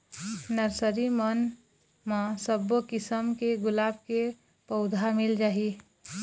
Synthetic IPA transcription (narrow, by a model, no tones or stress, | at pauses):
nəɾsəɾimən | mãsəbokɪsəmkeɡʊlaːb̚ke | pəʊd̪ʱamɪld͡ʒaːɦi